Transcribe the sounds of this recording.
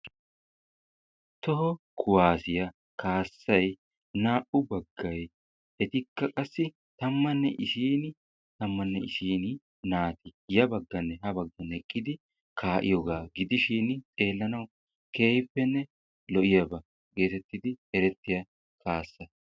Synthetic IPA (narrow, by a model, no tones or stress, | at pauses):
t̪ɔɦɔkʰʊwaːsɪjɐ | kʰaːsːɐj | naːʔʊbɐɡːɐj | ʔɛt̪ɪkːɐkʼɐsːɪ | t̪ɐmːɐnːɛʔɪsiːnɪ | t̪ɐmːɐnːɛʔɪsiːn | naːt̪ɪjɐbɐɡːɐnːɛɦɐbɐɡːɐnɛkʼːɪd̪ɪ | kʰaːʔɪ̰jɔɡaːɡɪd̪ɪʃiːnt̪ʼe̞ːlːɐnɐw | ke̞ːjpːɛnːɛ | lɔʔɪjɐbɐ | ɡe̞ːt̪ɛt̪ːɪd̪ɪɛɾɛt̪ːɪjɐ | kʰaːsːɐ